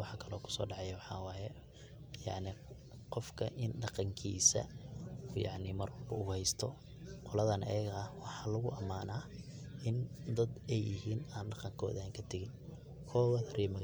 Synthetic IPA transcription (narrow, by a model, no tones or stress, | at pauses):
wɑħɑkʰɐlɔːkʰʊ̥sɔ̰ːɖɑʕɑjɐwɑħɑːwɑːjɛ | jɑ̰ʕnɪ | qɔfkʰɐʔɪnɖɑqɑŋkʰḭːsɐ̰ | jɑ̰ʕnɪmɐrwɐlbɐʊɣʊhɛjst̪ʰɔ | qɔlɐðɐnʔɛ̰jɐɣɐɐwɑħɑːlɐɣʊʔɐmaːnaː | ʔɪnd̪ɐd̪ɛjɪɦiːnaːnɖɑqɑŋkʰɔ̰ːðaːŋkʰɐt̪ʰɐɣɪn | kʰɔːɣɐðɐɾiːmɐɣ